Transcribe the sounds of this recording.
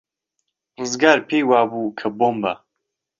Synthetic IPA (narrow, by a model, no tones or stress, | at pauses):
rɨzɡaːɾpʰeːjwaːbuːkʰɐboːmbɐ